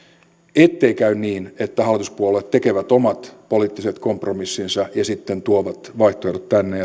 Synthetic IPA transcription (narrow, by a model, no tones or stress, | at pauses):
et̪ːeikæynniːnet̪ːæhɑlːˑit̪uspuolːet̪t̪ekeʋæt̪omɑt̪poliːt̪ːiset̪kompromisːinsɑjɑsit̪ːent̪uoʋɑt̪ʋɑiht̪oerot̪t̪ænːeɑ